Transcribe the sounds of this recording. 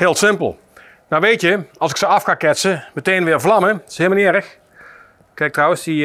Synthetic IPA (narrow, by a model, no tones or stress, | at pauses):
ɦɪːlˠsɪmpə̰lˠ | nawʋejtjəɑlˠsɪksəɑfxaːkɛtsəmətejnʋɪːɹvlɑməshɪːmənɪːɾəx | kɛk̚trɔwə̃nsi